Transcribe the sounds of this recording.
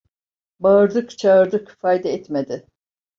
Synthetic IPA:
baɯɾd̪ɯkt͡ʃʰaɯɾd̪ɯkfajd̪ɛɛt̪med̪ɪ

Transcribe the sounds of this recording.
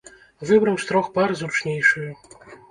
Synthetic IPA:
vɨbɾɐwst̪ɾɔxpaɾɨzut͡ʂnʲejʂɨjɛ

